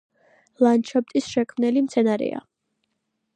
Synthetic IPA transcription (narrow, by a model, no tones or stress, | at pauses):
lˠant͡ʃʰɔp̚t̪ʼisʃɛkʰmnɛlimt̪sʰɛnaɾɛ̰a̰